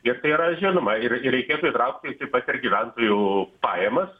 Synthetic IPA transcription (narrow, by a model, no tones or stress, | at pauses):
ɪɾt̪ɐɪiːɾɐʒʲɪnʊmɐɪrɪɛɪkʲeːt̪uːit̪ɾɐʊk̚t̪ɪɪsɪpɐtʲɪrɡʲiʋʲænt̪oːjuːpɑːjɛmɐs